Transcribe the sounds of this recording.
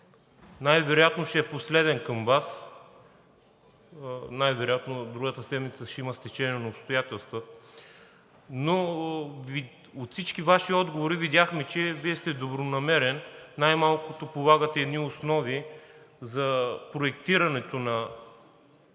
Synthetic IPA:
najvɛɾʊjat̪noʃɛɛposlɛd̪ɛnkɐmvas | najvɛɾʊjat̪nod̪ɾuɡət̪əsɛnit̪səʃɛimɐst̪ɛt͡ʃɛniɛnɐopst̪ʊjat̪ɛlˠst̪və | novi | ot̪fsit͡ʃkʲivaʃiɔd̪ɡovoɾivid̪ʲjaxmɛt͡ʃɛviɛst̪ɛd̪obɾonɐmɛɾɛnːajmalˠkʊt̪opolˠaɡət̪ɛːd̪niosnɔvi | zɐpɾoɛkt̪iɾɐnɛt̪onɐ

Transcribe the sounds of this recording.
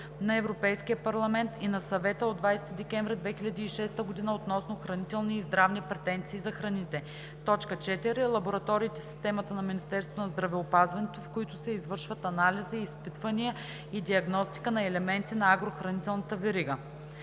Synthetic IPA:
nɐɛvɾopɛjskijəpɐɾlˠɐmɛnt̪inɐsɐvɛt̪əod̪vajst̪id̪ɛkʲɛ̃ɱvɾʲɛd̪vɛxilʎʲɐd̪iːʃɛst̪əɡod̪inəot̪nɔsnoxɾɐnit̪ɛlˠniːzd̪ɾavnipɾɛt̪ɛnt̪siːzɐxɾɐnit̪ɛ | t̪ɔt͡ʃkət͡ʃɛt̪iɾɛlˠɐboɾɐt̪ɔɾiːt̪ɛfsi̥st̪ɛmɐt̪ənɐminist̪ɛɾst̪vonɐzd̪ɾɐvɛopazvɐnɛt̪ofkoit̪ʊsɛizvɤɾʃvɐt̪ɐnaliziːspit̪vɐniə | id̪iɐɡnɔst̪i̥kənɐɛlɛmɛnt̪inɐaɡɾoxɾɐnit̪ɛlˠnɐt̪əvɛɾiɡə

